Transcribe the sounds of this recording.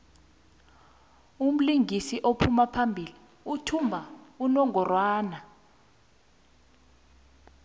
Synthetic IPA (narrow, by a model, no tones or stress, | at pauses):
um̩liŋisiʔopʰumapʰambʱili | utʰumbʱaunɔŋʱɔrwaːna